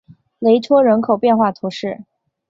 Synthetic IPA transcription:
le˧˥ɪʈ͡ʂʰwɔ˥ɻə˧˥nkʰo˨˩ʊpjɛ˥˧nxwa˥˩t̪ʰu˧˥ʂɻ̩˥˩

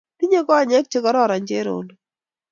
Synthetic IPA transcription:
ti˦ɲe˦kɔ˦a˨ɲɛ˦k̚t͡ʃɪ˦kɔ˦ɾɔ˦ɾa˨ɲd͡ʒe˦ɾo̰˨n

